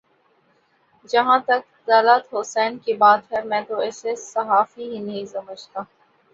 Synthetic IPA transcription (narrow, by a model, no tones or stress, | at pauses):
d͡ʒɐɦãt̪ɐk | d̪aːlət̪ɦʊsɛːnkibaːt̪pʰeɾmɛ̃ːt̪oɛːsesɐɦaːfiɦinɐɦĩsɐməd͡ʒt̪aː